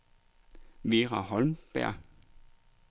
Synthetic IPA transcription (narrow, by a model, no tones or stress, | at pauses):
ʋeːʁɑɦɒlmb̥æɐ̰ɡ̥